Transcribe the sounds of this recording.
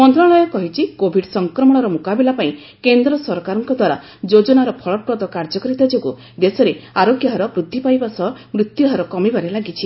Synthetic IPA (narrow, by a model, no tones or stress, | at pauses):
mɔnd̪ɾaɭɔjɔkɔɦit͡ʃʰikobʱiɖsɔŋkɾɔmɔɽ̃ɔɾɔmukabilapaĩ | kend̪ɾɔsɔɾkaɾɔŋkɔd̪ʱwaɾa̰ | d͡ʒod͡ʒɔnaɾɔpʰɔɭɔpɾɔd̪ɔkaɾd͡ʒɔkɔɾit̪ad͡ʒoɡu | d̪esɔɾeaɾokjaɦɔɾɔbɾud̪ʱːipajbasɔɦɔmɾut̪juɦaɾɔkɔmibaɾelaɡit͡ʃʰi